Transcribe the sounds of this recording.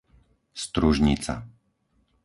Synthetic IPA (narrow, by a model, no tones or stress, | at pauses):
st̪ɾuʒɲit͡sa̰